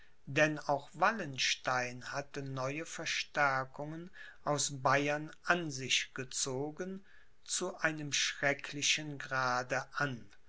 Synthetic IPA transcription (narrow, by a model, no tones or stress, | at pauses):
dɛnaʊxv̥alənʃtaɪnhatənɔʏəfɛɐʃtɛɐkʊŋənʔaʊsbaɪɐnʔanzɪʃɡ̥ət͡soːɡən | t͡suʔaɪnəmʃʁ̥ɛkʰlɪʃənɡʁaːdəʔan